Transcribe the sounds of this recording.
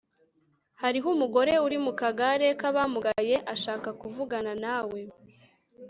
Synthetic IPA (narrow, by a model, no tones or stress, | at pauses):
haɾiɦumuɡo̞ɾe̞uɾimukaɡaɾe̞kaβamuɡaje̞ʔaʃaːkakuvuɡananawe̞